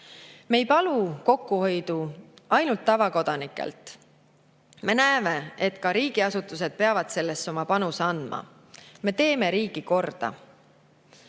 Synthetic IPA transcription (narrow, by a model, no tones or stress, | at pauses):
me̞jpɑluko̞kːuho̞jd̪̥uɑjnult̪ːɑvɑko̞d̪̥ɑnikːˑḛlt̪ˑ | me̞næeme̞e̞t̪kɑɾiːɡiɑsut̪ːˑus̬e̞d̪̥̚pe̞ɑvɑd̪̥se̞lːe̞sːo̞mɑpɑnuseɑnd̪̥mɑ̰ | me̞t̪e̞ːme̞ɾiːɡ̥iko̞rd̪̥ɑ̰